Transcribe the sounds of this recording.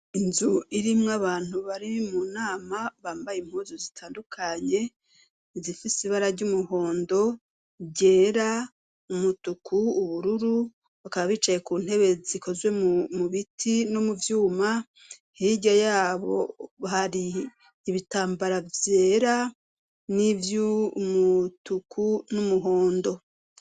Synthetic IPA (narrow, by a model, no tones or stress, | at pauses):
inzuiɾimŋaβaːn̥huβaɾimuːnaːmaβaːmbajemhuːzozitʰaːndukʰaɲe̞ | zifisiβaɾaɟumuho̞ːndo̞ | ɟe̞ːɾa | umutukʰuːβuɾuɾu | βakaβaβiːt͡ʃaje̞kuːn̥he̞βe̞ziko̞zwe̞mumuβitʰino̞muvjuːma | hiɟajaːβo̰βahaɾiː | βitaːmbaɾavje̞ːɾa | nivjumutukʰunumuɦo̞ːndo̞